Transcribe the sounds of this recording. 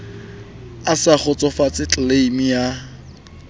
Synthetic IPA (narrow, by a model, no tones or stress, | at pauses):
asak͡xʰʊt͡sʼɔfat͡sʼɪt͡ɬʼleimija